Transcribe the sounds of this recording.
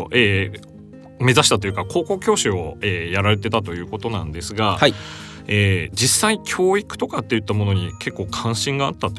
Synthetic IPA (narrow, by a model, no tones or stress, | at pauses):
ʔeː | me̞zaɕi̥t̪at̪o̞jɯ̟kakʰo̞ːko̞kʲo̞ːɕio̞eːjaɾaɾe̞t̪e̞t̪at̪o̞jɯ̟ːko̞t̪o̞nãnd̪e̞sɨɡaha | eːd͡ʑisːaikʲʰo̞ːikɯ̟̥t̪o̞kat̪ːe̞jɯ̟t̪ːamo̞no̞ɲ̟ikʰe̞kːo̞ːkʰãɰ̃ɕĩŋɡaːt̪ːat̪ːo